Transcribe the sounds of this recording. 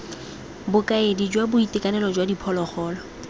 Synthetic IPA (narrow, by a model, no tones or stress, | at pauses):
bʊkʼaedid͡ʒwabʊitʼɪkʼanɛlɔd͡ʒwadipʰɔlɔχɔːlɔ